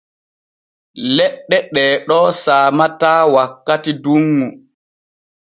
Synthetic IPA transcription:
lɛɗːɛɗɛːɗɔːsaːmataːwakːatiduŋːu

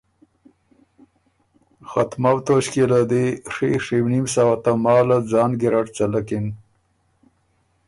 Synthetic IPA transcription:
xat̪mawt̪oʃkelad̪eʂeʂewnimsawat̪amɑːlad͡zɑːnɡiɾaʈt͡ʃalakɪn

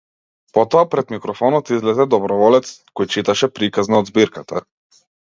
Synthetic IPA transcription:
pɔt̪ɔapɾɛd̪mikɾɔfɔnɔt̪izlɛzɛd̪ɔbɾɔvɔlɛt̪skɔjt͡ʃit̪aʃɛpɾikaznaɔd̪zbiɾkat̪ʰa

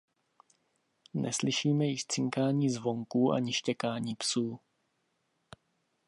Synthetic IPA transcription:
nʔɛ̰slɪʃiːmɛjɪʃt͡sɪŋkaːɲiːzvo̞ŋkuːʔa̰ɲɪʃcɛkaːɲiːpsuː

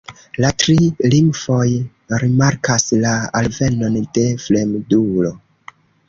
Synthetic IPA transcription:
latɾilimfo̞j | ɾimaɾkaslaa̰lve̞no̞nd̥e̞fle̞mdulo̞

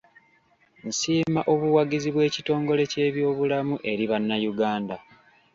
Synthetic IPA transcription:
n̩siːmaʔo̞βuwaɡiziβwe̞ːcito̞ːŋɡo̞le̞ce̞ːβjo̞ːβulamuʔe̞ɾiβanːajuɡaːnda

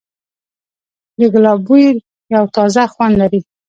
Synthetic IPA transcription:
ləɡlɑbujɾ | jawt̪ɑzaxwand̪laɾi

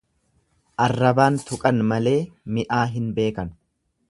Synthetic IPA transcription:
ʔɐrːɐbaːnt̪ʊkʼɐnmɐle̞ːmɪʔaːɦɪnbe̞ːkɐn

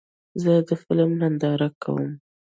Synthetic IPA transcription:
zəd̪əfɪlmnand̪ɑɾakʰa̰wə̰m

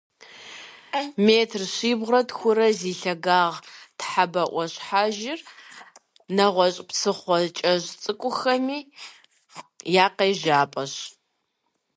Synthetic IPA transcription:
meːtʰrɕiːbʁrɐtxʷʊɾɐziːɬɐɡaːʁtħabɐʔʷɔɕħaːʒɪr | nɐʁʷɔɕʼpsɨχʷɔt͡ʃʼɐʑt͡sʼɨkʷʼʊxɐmiː | jaːqeːʒaːpʼɐɕ

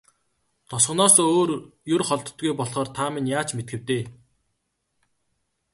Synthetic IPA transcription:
t̪ʰʊsχ̆nɔːsoːrjɵrχɔɮt̪̆t̪ɡujpɔɮχɔːrt̪ʰamɪnjaːt͡ɕmet̪̚ɡɘ̆w̥t̪eː

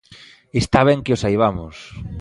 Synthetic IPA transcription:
est̪aβ̞ɛŋkeosajβ̞amʊs

